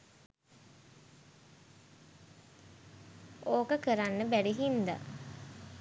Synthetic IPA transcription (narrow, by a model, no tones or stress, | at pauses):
oːkəkəɾanːəbæɖiɦind̪a̰